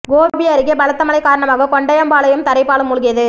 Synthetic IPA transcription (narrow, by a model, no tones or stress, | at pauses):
ɡoːbɪjɐɾɪɣɐbɐɭɐt̪ːɐmɐlɐɪkːaːɾɐɳɐmaːɣɐkɔɳɖɐjɐmbaːlɐjɯmt̪ɐɾɐɪpːaːlɯmːʊɻʊɣɪjɐðɯ